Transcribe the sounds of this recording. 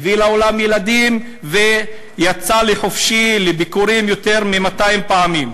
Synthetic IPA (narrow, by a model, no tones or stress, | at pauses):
vilao̞lamjelad̪im | ve | jat͡saleχofʃilebikuʁimjo̞t̪e̞ʁmimat̪aimpaamim